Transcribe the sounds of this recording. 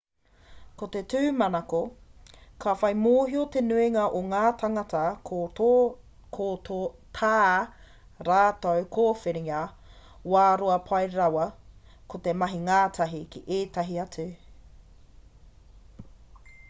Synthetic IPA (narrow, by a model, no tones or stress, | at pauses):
kot̪etʉːmɐnɐko | kʰafɐjmoːɦiot̪enʉiŋaʔoŋaːtʰaŋɐtɐ | kʰootʰaː | ɾaːtowkʰoːfeɾiŋa | waːɾoɐpʰɐjɾɐwɐ | kʰot̪emɐɦiŋaːtʰɐɦikʰiʔeːtɐɦiɐt͡sʉ